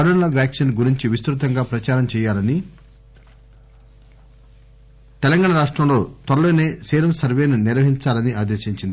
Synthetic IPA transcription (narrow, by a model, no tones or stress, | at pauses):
ɐɾɐnlɐʋjaːkʂɐnɡuɾiɲt͡ʃiʋist̪ɾut̪̬ɐŋɡaːpɾɐt͡ʃaːɾɐmt͡ʃɛːjaːlɐni | t̪ɛlɐŋɡaːɳɐɾaːʂʈɾɐmlo̞ːt̪ɐɾɐloːneːsɛːɾɐmsɐɾʋe̞ːnuniɾʋɐɦiɲt͡ʃaːlɐniaːd̪eːʃiɲt͡ʃind̪i